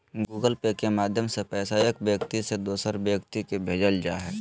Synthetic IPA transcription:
ɡuːɡəlpekemaːd̪ʱjəmsepɛːsaəkbjəkt̪ised̪oːsəɾbjəkt̪ikebʱeːd͡ʒəld͡ʒaːɦɛː

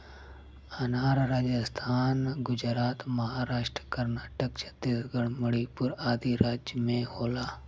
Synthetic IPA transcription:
anaːɾɾaːd͡ʒɪst̪ʰaːnɡʊd͡ʒɾaːt̪mɐɦaːɾaːʃʈɾkəɾnaːʈəkt͡ʃʰɐ̥t̪isɡəɽməɽipʊɾaːd̪iɾaːd͡ʒmẽːhoːlaː

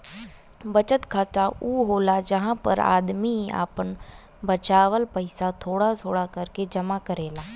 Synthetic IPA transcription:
bət͡ʃət̪kʰaːtauːɦoːlad͡ʒəɦãpə̰ɾa̰ːd̪mia̰ːpən | bət͡ʃaːʋəlpəɪsat̪ʰoːɽat̪ʰoːɽakɐɾked͡ʒɐmakəɾeːlaː

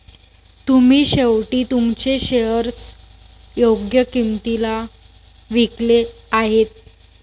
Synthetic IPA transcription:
t̪um̤iːɕewʈiːt̪umt͡ɕeɕejəɾt͡s | joɡjəkimt̪ila | ʋikleaɦet̪̚

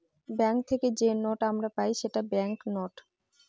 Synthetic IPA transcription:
bɛŋk̚t̪ʰeked͡ʑenoʈamɾapajʃeʈabɛŋknoʈ

